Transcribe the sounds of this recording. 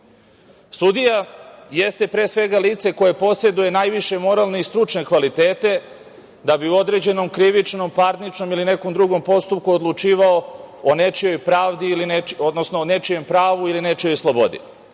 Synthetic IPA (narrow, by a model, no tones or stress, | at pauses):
sud̪ijajest̪e̞pɾe̞ːsʋe̞ɡaliːt̪se̞ko̞je̞po̞se̞d̪uje̞naːjʋiʃe̞mo̞ɾalne̞ist̪ɾut͡ʂne̞kʋalit̪eːt̪e̞ | d̪abiuo̞d̪ɾe̞d͡ʑe̞no̞mkɾiʋit͡ʂno̞mpaɾnit͡ʂno̞miline̞ko̞md̪ɾuɡo̞mpo̞st̪up̚kuod̪lˠut͡ʂiːʋaoone̞t͡ʃijo̞jpɾaːʋd̪iilineod̪nosnone̞t͡ʃije̞mpɾaːʋuiline̞t͡ʃijo̞jslˠobo̞̰d̪ḭ